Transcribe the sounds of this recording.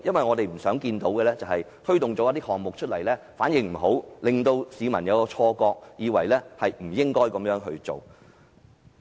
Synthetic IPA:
jɐ˥nwɐ˨jŋɔː˨˧t̪e˨m̩˨˩sœː˨˥ŋkiː˧nt̪o˨˥wkɛ˧lɛː˥t͡sɐ˨whɐ˨jt̪ʰɵ˥ɥt̪ʊ˨ŋt͡sɔː˨˥jɐ˥t̪iː˥hɔː˨ŋmʊ˨k̚t͡ʃʰɵ˥t̚lɐ˨˩jlɛː˥ | faː˨˥njɪ˨˧ŋm̩˨˩ɦo˨˥wlɪ˨ŋt̪o˧wsiː˨˧mɐ̰˨˩njɐ˨˧wkɔː˧t͡ʃʰɔː˧kɔː˧k̚jiː˨˧wɐ˨˩jlɛː˥hɐ˨jm̩˨˩jɪ˥ŋkɔː˥jkɐ˨˥mjœː˨˥ŋɦɵ˧ɥt͡ʃo̰˨w

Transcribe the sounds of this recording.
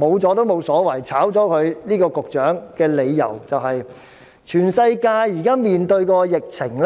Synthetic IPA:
mo˨˧wt͡sɔː˨˥t̪o˥wmo˨˧wsɔː˨˥wɐ˨˩jt͡sʰaː˨˥wt͡sɔː˨˥kʰɵ˨˧ɥniː˥kɔː˧kʊ˨k̚t͡ʃœː˨˥ŋkɛː˧le˨˧jːɐ̰˨˩wt͡sɐ˨whɐ˨j | t͡ʃʰyː˨˩nsɐ˧jkaː˧jːiː˨˩kaː˥miː˨nt̪ɵ˧ɥkɔː˧jɪ˨k̚t͡sʰɪ˨˩ŋl

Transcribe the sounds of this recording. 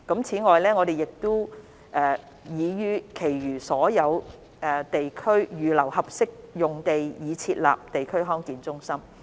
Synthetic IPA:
kɐ˨˥mt͡sʰiː˨˥ŋɔː˨jlɛː˥ŋɔː˨˧d̪e˨jɪ˨k̚t̪ʊ˥ | ʔɛː˨˩ | jiː˨˧jyː˧kʰe˨˩jjyː˨˩sɔː˨˥jɐ˨˧w | ɛː˨˩t̪e˨jkʰɵ˥ɥjyː˨˧lɐ˨˩whɐ˨p̚sɪ˥k̚jʊ˨ŋt̪e˨jjiː˨˧t͡sʰiː˧t̚la̰ː˨p̚t̪e˨jkʰɵ˥ɥɦɔː˥ŋkiː˨nt͡sʊ˥ŋsɐ˥m

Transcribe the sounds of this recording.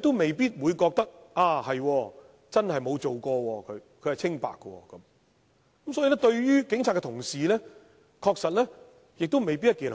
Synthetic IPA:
t̪wme˨jpiː˥t̚wuː˨˧jkɔː˧k̚t̪ɐ˥k̚ʔaː˨˧hɐ˨jwɔː˧ | t͡sɐ˥nhɐ˨jmo˨˧wt͡so˨wkɔː˧wɔː˧kʰɵ˨˧ɥkʰɵ˨˧ɥhɐ˨˩jt͡sʰɪ˥ŋpa̰ː˨˩kːə˧wɔ̰ː˧kɐ˨˦m | kɐ˦˥msɔː˨˥jiː˧lɛː˥t̪ɵ˧ɥjyː˥kɪ˨˥ŋt͡sʰa˨˧kɛ˧t̪ʰʊ˨˩ŋsiː˨lɛː˥ | kʰɔː˧k̚sɐ˨t̚lɛː˥ | jɪ˨k̚t̪o˥wme˨jpi˥jɐ˥tkiː˨˩n

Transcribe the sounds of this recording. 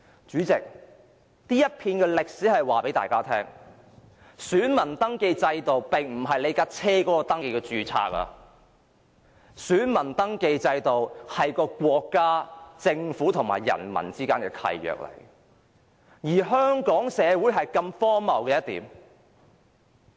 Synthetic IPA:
t͡ʃyː˨˥t͡sɪ˨k̚ | t̪iː˥jɐ˥t̚pʰiː˧nkɛː˧lɪ˨k̚siː˨˥hɐ˨jwaː˨pe˨˥jt̪a̰ː˨jkaː˥t̪ʰɛː˥ŋ | syː˨˥nmɐ˨˩nt̪ɐ˥ŋke˧jt͡sɐ˧jt̪o˨˩wpɪ˨ŋm̩˨˩ɦɐ˨jle˨˧jkaː˧˥t͡sʰɛː˥kɔː˨˥kɔː˧t̪ɐ˥ŋke˧jkɛ˧t͡ʃyː˨˧t͡sʰa̰ː˧k̚ɐ̰˧ | syː˨˥nmɐ˨˩nt̪ɐ˥ŋke˧jt͡sɐ˧jt̪o˨whɐ˨jkɔː˧kʷɔː˧kːaː˥t͡sɪ˧ŋfuː˨˥t̪ʰʊ˨˩ŋma̰ː˨˩jːɐ̰˨˩nmɐ̰˨˩nt͡siː˥kaː˥nkɛː˧kʰɐ̰˧jːœ̰ː˨k̚lɐ̰˨˩j | jiː˨˩ɦœː˥ŋkɔː˨˥ŋsɛː˨˧wuː˨˥jɦɐ˨jkɐ˧mfɔː˥mɐ˨˩wkɛː˧jɐ˥t̪ḭː˨˥m

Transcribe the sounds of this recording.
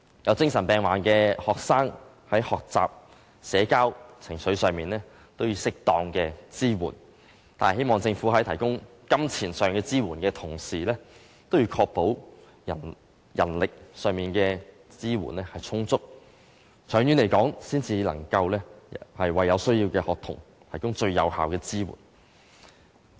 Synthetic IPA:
jɐ˨˧wt͡sɪ˥ŋsɐ˨˩npɛː˨˩ŋwaː˨˩nkɛː˧hɔː˨k̚saː˥ŋ | hɐ˨˥jhɔː˨k̚t͡sa̰ː˨p̚ | sɛː˨˥kaː˥wt͡sʰɪ˨˩ŋsɵ˨˥ɥsœː˨˧ŋmiː˨nlɛː˥ | t̪o˥wji˨˧wsɪ˥k̚t̪ɔː˧ŋkɛː˧t͡siː˥wṵː˨˩n | t̪a̰ː˨n˨˩he˥jmɔː˨ŋt͡sɪ˧ŋfuː˨˥ɦɐ˨˥jt̪ʰɐ˨˩jkʊ˥ŋ | kɐ˥mt͡sʰiː˨˩nsœː˨ŋkɛː˧t͡siː˥wuː˨˩nkɛː˧t̪ʰʊ˨˩ŋsiː˨lɛː˥ | t̪o˥wjiː˧˥kʰɔː˧k̚po˨˥w | jɐ̰˨˩ | jɐ̰˨˩nlɪ˨k̚sœː˨ŋmiː˨nkɛː˧ | t͡siː˥wṵː˨˩nlɛː˥hɐ˨jt͡sʰʊ˥ŋt͡sʊ˥k̚ | t͡sʰœː˨˥ŋjy˨˥nle˨˩jkɔː˨˥ŋsiː˥nt͡siː˧lɐ˨˩ŋkɐ˧wlɛː˥hɐ˨jwɐ˨jːɐ˨˧wsɵ˥ɥjiː˧wkɛː˧hɔː˨k̚t̪ʰʊ̰˨˩ŋ | t̪ʰɐ˨˩jkʊ˥ŋt͡ʃɵ˧ɥjɐ˨˧whaː˨wkɛː˧t͡siː˥wṵː˨˩n

